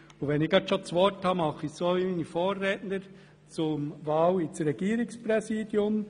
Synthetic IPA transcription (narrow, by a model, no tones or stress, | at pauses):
ʊʋɛnɪɡɑt̪ʃot͡sʋɔɾthɑmɑχɪsoːʋiminifoːrɛːtnəɾ | t͡sʊmʋɑːwɪt͡sɾɛɡ̥iːɾɪkspɾɛsiːd̥jʊm